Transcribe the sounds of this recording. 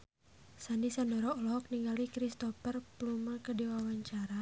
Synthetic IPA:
sandisandɔɾɔɔlɔɦɔk̚niŋɡalikɾist̪ɔfərplumakədiwawaɲt͡ʃaɾa

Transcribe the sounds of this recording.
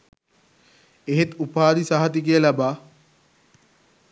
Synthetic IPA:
eɦet̪upaːɾisaɦat̪ikijəlabaː

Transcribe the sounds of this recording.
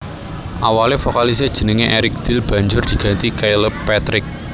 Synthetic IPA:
ʔawalefɔkalis̬ed̥ʒ̥ə̤nəŋeʔeɾɪk̚d̪̥ɪ̤lb̥ä̤ɲd͡ʒʊrd̪̥i̤ɡ̥ä̤nt̪ikajləpːɛt̪ɾɪk̚

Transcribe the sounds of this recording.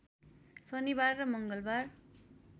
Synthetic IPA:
sʌnibarːʌmʌŋɡʌlbar

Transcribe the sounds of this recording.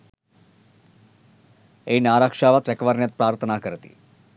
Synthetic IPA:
einaːɾakʂaʋat̪ɾekʋaɾnjət̪̚pɾaːɾt̪ʰənakəɾt̪ḭ

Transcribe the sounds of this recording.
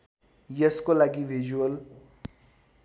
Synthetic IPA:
jəskolaɡiʋʱid͡ʒuəl

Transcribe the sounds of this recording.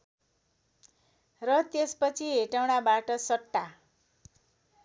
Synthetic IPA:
rʌt̪espʌt͡sʰiɦeʈawnabaʈʌsʌʈːa

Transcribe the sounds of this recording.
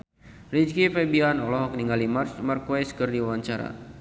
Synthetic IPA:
rid͡ʒkifɛbianɔlɔɦɔk̚niŋɡalimart͡ʃmarkwɛskərdiwawaɲt͡ʃaɾa̰

